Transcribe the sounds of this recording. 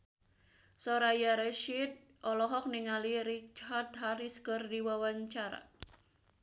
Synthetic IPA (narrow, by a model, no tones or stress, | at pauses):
soɾajaɾɛʃit̪̚ | ʔɔlɔɦɔk̚niŋaliɾit͡ʃhard̪̚ɦaɾiskərdiwawaɲt͡ʃaɾa̰